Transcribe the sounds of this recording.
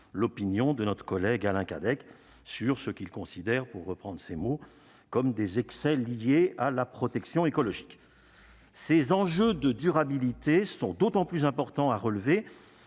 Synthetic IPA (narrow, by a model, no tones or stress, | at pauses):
lɔpinjɔ̃d̪ənɔt̪χə̥kɔlɛɡalɛ̃ka̰d̪ɛk | syʁsəkʲilkɔ̃sid̪ɛʁpuʁːəpχɑ̃d̪ʁəsemo | kɔmd̪ezɛksɛlijealapχɔt̪ɛksjɔ̃ekɔlɔʒik | sezɑ̃ʒød̪əd̪yʁabilit̪esɔ̃d̪ot̪ɑ̃plyzɛ̃pɔʁt̪ɑ̃aʁəlve